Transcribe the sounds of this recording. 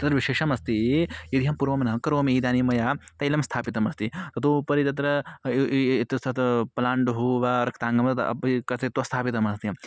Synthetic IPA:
t̪ɐt̪ɾɐʋiʃeːʃɐmɐst̪ijid̪iɦɐmpuːɾʋɐmnɐɦɐkɐɾoːmiːd̪aːnimɐjaːt̪ɐilɐmst̪ʰaːpit̪ɐmɐst̪it̪ɐt̪upɐɾit̪̬ɐt̪̬ɾɐ | t̪ɐt̪pɐlaːɳɖuɦuʋaɾɐkʰt̪aːŋɡɐmt̪kɐt̪et̪ost̪ʰaːpit̪ɐmɐst̪i

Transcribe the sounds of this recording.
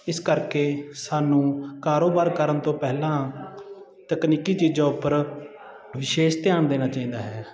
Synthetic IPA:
ɪskəɾkeːsaːnũːkaːɾoːbaːɾkəɾənt̪õːpɛːlãː | t̪əkniːkiːt͡ʃiːd͡ʒãːʊpːəɾ | ʋɪʃeːʃt̪ɪjaːnd̪eːnaːt͡ʃaːĩːd̪aːɦɛː

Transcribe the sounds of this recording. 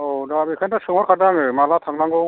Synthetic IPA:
odabikʰantasɯŋɔɾkʰadaŋɯmalat̪ʰaŋlaŋɡɔ

